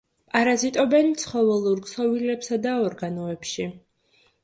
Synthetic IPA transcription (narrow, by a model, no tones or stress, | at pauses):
pʼaɾazit̪ʼɔbɛnt̪sʰχɔvɛlˠuɾkʼsɔvilɛpsad̪aɔɾɡanɔɛpʃi